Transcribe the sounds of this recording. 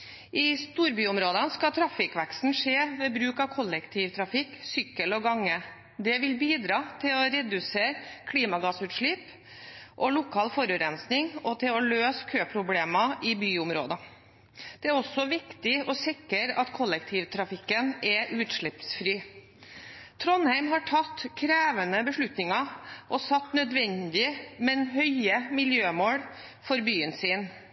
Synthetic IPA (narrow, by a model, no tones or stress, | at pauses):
ʔɪst̪uːɾbyːʊmɾoːd̪ɑnskɑt̪ʰɾɑfɪkʋækst̪n̩ʂeːʋɛbɾʉːkɑʋkʰɔlːɛkt̪ʰiːʋt̪ʰɾɑfɪkːsʏkːəlɔɡɑŋːə | d̪ɛʋɪlbiːd̪ɾɑːt̪ʰɪlɔɾɛd̪ʉseːɾkʰliːmɑɡɑːsʉːt̪ʂɭip | ʔɔlʊkʰɑːlfɔɾʉɾɛnsnɪŋɔt̪ʰɪlɔløːskʰøːpʰɾʊbleːmɑʔɪbyːʊmɾo̰ːd̪ɑ | d̪̥ɛæɾɔsːɔʋɪkt̪ɪɔsɪkəɾɑt̪kʰɔlːɛk̚t̪ʰiːʋt̪ʰɾɑfɪkːənɛʔʉːt̪ʂɭɪpsfɾiː | t̪ʰɾɔnhæɪmɦɑʈʰɑt̪ːkʰɾæːʋənəbəʂɭʉt̪nɪŋɑʔɔsɑt̪ːnœd̪ʋɛnd̪ɪəmɛnhœʏəmɪljøːmoːɽ | fɔɾbyːənsiːn